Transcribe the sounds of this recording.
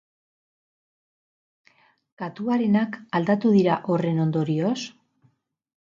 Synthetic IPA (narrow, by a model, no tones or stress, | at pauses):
kat̪uaɾe̞nakald̪at̪uð̞iɾaʔo̞re̞no̞nd̪o̞ɾio̞s